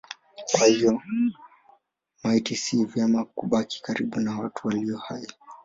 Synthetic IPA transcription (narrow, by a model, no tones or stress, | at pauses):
kwahijɔ | maitisiːvjamakuɓaki̥kaɾiɓunawatuwaliɔhai